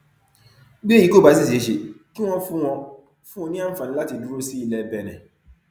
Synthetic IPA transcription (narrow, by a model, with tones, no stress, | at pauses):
ɡ͡be˦˨i˨˦ko˦˨ba˨˦s̬i˦˨se˨˧˦ʃe˨kĩ˦w̃ɔ̃˧fũ˦w̃ɔ̃˧ | fũ˦ɔ̃˧nĩ˦a˦n̩˦fa˨nĩ˦la˦ti˧du˦ɾo˦si˦i˧lɛ˧bɛ˨nɛ̰̃˨